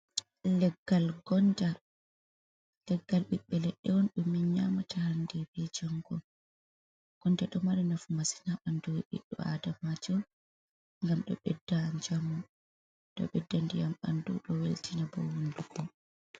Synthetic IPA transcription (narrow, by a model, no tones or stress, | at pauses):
lɛɡːalɡɔnda | lɛɡːalɓiɓːɛlɛɗːɛwɔnɗumːinɲamatahandɛbɛd͡ʒaŋɡɔ | ɡ̥ɔndaɗɔmaɗɛnafumasi̥naɓandɔwɓḭɗːɔ̰a̰damad͡ʒɔ | ŋɡamɗɔ̰ɓɛdːaːnd͡ʒamːu | ɗɔ̰ɓɛdːandijamɓandṵɗɔweltʰinabɔ̰wunduɡɔ